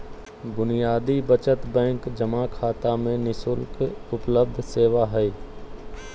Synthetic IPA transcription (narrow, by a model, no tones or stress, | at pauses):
bʊnijaːd̪ibət͡ʃət̪bɛ̃ːŋkd͡ʒəmakʰaːt̪amẽnɪsʊlkʊpləb̚d̪ʱseːʋaɦɛi